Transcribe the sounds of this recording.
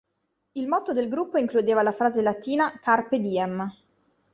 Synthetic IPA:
ilmɔt̪od̪elɡɾupːoiŋklud̪eːvalafɾaːzelat̪iːnakarped̪iɛm

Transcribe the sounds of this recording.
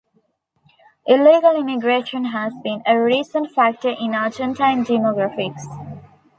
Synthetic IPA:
ʔɪliːɡəlimiɡɾeːʃə̃nɦæzbĩnəɹiːsə̃nʈfæk̚ʈəɹʔɪ̃naːd͡ʒɛ̃ntãɪ̃ndimɔɡɾafɪks

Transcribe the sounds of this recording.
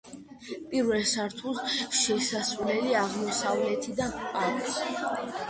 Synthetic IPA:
pʼiɾvɛlsaɾt̪ʰusʃɛsasulɛliaʁmɔsavlɛt̪ʰid̪apʼaks

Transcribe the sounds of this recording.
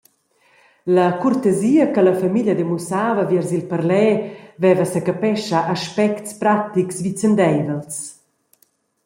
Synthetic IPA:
lɐkurt̪eziːəkəlɐfamiʎɐd̪emusaːvɐvjɛrzilpəɾlɛːvɛvəsəkapɛʃaʔaʃpɛktspɾat̪iksvit͡sənd̪ɛjvəls

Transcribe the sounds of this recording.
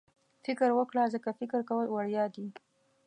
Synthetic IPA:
fɪkəɾwəkɽɑzəkafɪkəɾkawəlwaɽjɑd̪i

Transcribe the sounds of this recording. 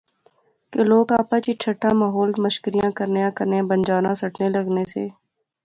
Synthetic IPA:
keloːɡaːpat͡ʃiʈʰəʈʰːamaːɦoːlməʃkəɾijãːkəɾnejãːkəɾneãbə̃nd͡ʒaːnãːsəʈʰneləɡnesḛː

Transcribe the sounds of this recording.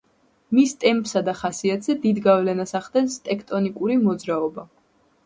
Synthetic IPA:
mist̪ʼɛmpʼsad̪aχasiat̪ʰʼz̥ɛd̪id̪ɡavlɛnasaχd̪ɛnst̪ʼɛkʰt̪ʼɔnikʼuɾimɔd̪zɾaɔba

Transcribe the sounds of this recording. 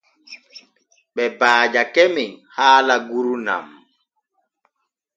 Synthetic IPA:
ɓɛbaːd͡ʒakemiŋhaːlaɡuɾuna̰m

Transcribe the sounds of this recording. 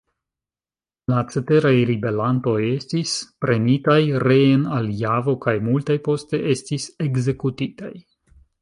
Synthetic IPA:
lat͡sete̞ɾajɾibe̞lanto̞je̞stispɾe̞nitajɾe̞enaljavo̞kajmultajpo̞ste̞ʔe̞stise̞ɡze̞kutitaj

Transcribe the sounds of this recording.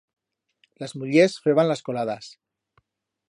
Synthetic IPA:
lazmuʎesxweβanlaskolaðas

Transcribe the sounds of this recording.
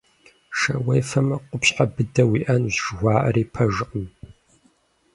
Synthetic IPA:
ʃɐ̰wɐjfɐmɐqʷʊpɕħabɨdɐwiːʔɐnʑʒɣʷɑːʔɐ̰ɾiːpʰɐʒɨqʼəm

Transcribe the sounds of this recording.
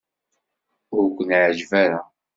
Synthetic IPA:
ʊɾɡʷənʕd͡ʒvæɾa

